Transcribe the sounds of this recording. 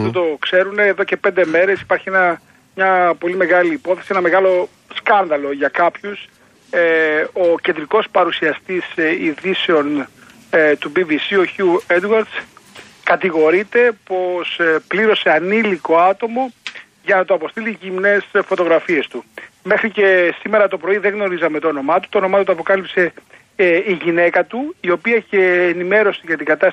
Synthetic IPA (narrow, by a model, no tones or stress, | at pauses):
ɐt̪ot̪o̞kse̞ɾune̞ːðo̞ce̞pe̞nd̪e̞me̞ɾe̞si̥pɐɾçienɐ | mɲɐpo̞lime̞ɣɐliːpo̞θesienɐme̞ɣɐlo̞ | skɐnðɐlo̞ʝɐkɐpçus | oce̞nd̪ɾiko̞spɐɾusiɐst̪isiðiseo̞n | t̪ubivisioçuued̪wɐɾd̪s | kɐt̪iɣo̞ɾit̪e̞po̞spliɾo̞se̞ɐniliko̞ɐt̪o̞mo̞ | ʝɐnɐt̪oɐpo̞st̪iliʝimne̞sfo̞t̪o̞ɣɾɐfie̞st̪ume̞xɾice̞sime̞ɾɐt̪o̞pɾo̞iðeɣno̞ɾizɐmet̪oono̞mɐt̪u̥t̪oono̞mɐt̪ot̪uɐpo̞kɐlipse̞ | iʝine̞kɐt̪uio̞piɐceːnime̞ɾo̞siʝɐt̪iɡɐt̪ɐs